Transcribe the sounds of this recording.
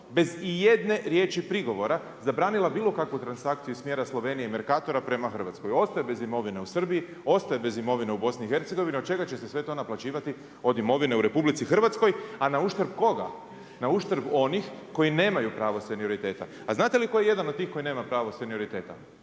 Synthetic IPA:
be̞zije̞d̪ne̞ɾje̞ːt͡ʃipɾiɡo̞ʋo̞ɾa | zabɾaːnilˠabiːlo̞kakʋut̪ɾansakt̪siusmje̞ːɾaslˠo̞ʋe̞ːnijeme̞ɾkaːt̪o̞ɾapɾe̞maxr̩ʋat̪sko̞jo̞st̪ajebe̞zimo̞ʋine̞usr̩bii | o̞st̪ajebe̞zimo̞ʋineubo̞sniːxe̞ɾt̪seɡo̞ʋiniod̪̚t͡ʃe̞ɡat͡ɕe̞sesʋe̞t̪o̞naplˠat͡ɕiːʋat̪i | o̞d̪imo̞ʋine̞uɾe̞publit̪sixr̩ʋat̪sko̞janauʃt̪əɾbko̞ɡa̰ | nauʃt̪ɾbo̞nixko̞jine̞ːmajupɾaːʋo̞senio̞ɾit̪e̞ːt̪a̰ːznaːt̪e̞liko̞jeje̞d̪anod̪̚t̪iːxko̞ine̞ːmapɾaːʋo̞senio̞ɾit̪e̞ːt̪a̰

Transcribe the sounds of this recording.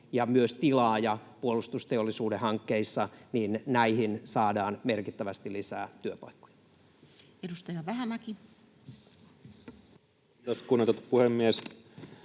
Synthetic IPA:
jɑmyøst̪ilɑːjɑpuolust̪ust̪eolːisuːdehɑŋkːeisːɑninnæihinsɑːdɑːnmerkit̪ːæʋæst̪ilisæ̰ːt̪yøpɑ̰ikːo̥jɑ̥ | edust̪ɑjɑʋæɦæmæki | t̪oskunːet̪ot̪puhemːies

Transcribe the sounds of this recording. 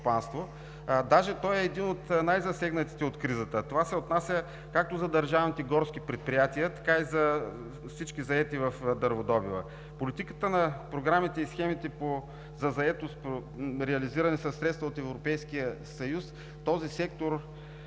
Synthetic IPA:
t̪opanst̪vo | d̪aʒɛt̪ɔjɛːd̪inot̪najzɐsɛɡnət̪i̥t̪ɛot̪kɾizət̪ət̪ovasɛot̪nasʲə | kak̚t̪ozɐd̪ɐɾʒavnit̪ɛɡɔɾsk̟ipɾɛt̪̚pɾijat̪iət̪ɐ̥kaizɐ | fsit͡ʃkizɐɛt̪ivɐfd̪ɐɾvod̪ɔbivˠə̰ | polit̪ikət̪ənɐpɾoɡɾamit̪ɛisxɛmit̪ɛpo | zɐzɐɛt̪ost̪poɾɛɐliziɾɐnɛsɐsːɾɛt̪st̪vəot̪ɛvɾopɛjsk̟ijəsɐjus | t̪ɔzisɛkt̪oɾ

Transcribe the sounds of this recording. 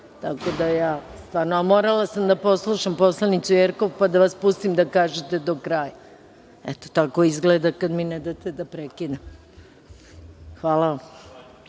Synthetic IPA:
t̪ako̞d̪ajaːst̪vaːɾnoamo̞ɾalˠasamd̪apo̞slˠuʃampo̞slˠanit̪sujeɾko̞ʋpad̪aʋaspust̪imd̪akaːʒet̪e̞d̪okɾaːja | ɛt̪o̥t̪ako̞izɡled̪akad̪minɛd̪at̪ed̪apɾekid̪am | xʋaːlˠaʋam

